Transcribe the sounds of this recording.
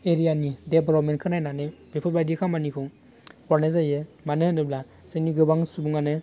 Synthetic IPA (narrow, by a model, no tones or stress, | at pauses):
eɾijanideblɔp̚menkʰɯnajnanɯb̥epʰɔbajdekʰamanikʰɯŋ | kʰɔɾnezajɯmanɯhɯndɯbla | seniɡɯbaŋsubuŋanɯ